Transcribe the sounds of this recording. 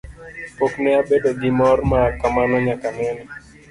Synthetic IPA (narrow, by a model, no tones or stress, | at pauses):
poknɛabedoɡɪmɔrmakamanɔɲakanɛnɛ